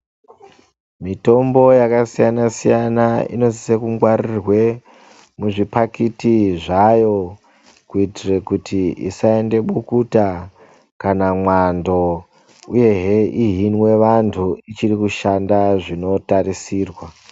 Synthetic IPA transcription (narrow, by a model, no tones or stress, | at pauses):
mito̞mbo̞jakasijanasijanaḭno̞zisekuŋɡwarirwe̞ | muʐipakitiʐajo̞ | kuitire̞kutʰiḭsae̞nde̞ɓukuta | kanamwando̞ | uje̞ɦeʔiɦinwe̞ʋantʰuit͡ʃirikuʃandaʐino̞tarisiːrwa